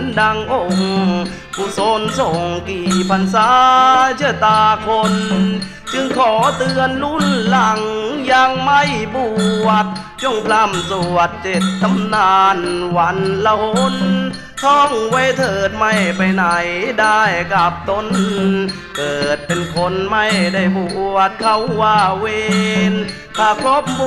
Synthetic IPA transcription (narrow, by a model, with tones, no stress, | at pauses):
nda˧ŋʔo˧˩ŋ | ku˧˩so˧˥nsɔː˨˩˦ŋkiː˨˩pʰa˧nsaː˧˦t͡ɕɯ˧˥˩t̪aː˧˩kʰo˧n | t͡ɕɯ˧ŋkʰɔː˨˩˦t̪ɯ˧ənlu˧˥˨nla˧˩ŋjaː˧ŋma˧˥˩jbuː˧˩t̪̚ | t͡ɕo˧˩˨ŋpʰla˧˥˩msu˨˩ət̪̚t͡ɕe˨˧˩t̪̚t̪ʰːa˧˨mnaː˧nwa˧˥nla˧ho˧˥n | t̪ʰɔ˧˩ŋwa˧˥˩jt̪ʰɤː˨˩t̪̚ma˧˩jpa˨˧jna˨˩jda˧˩jka˧˩p̚t̪o˧n | kɤː˨˩t̪̚pe˧nkʰo˧˥nma˧˩jda˧˩jbu˧˩˧ət̪̚kʰa˧˩wwaː˧˩weeː˧n | k̪ʰaː˧˩kʰlo˦˥p̚b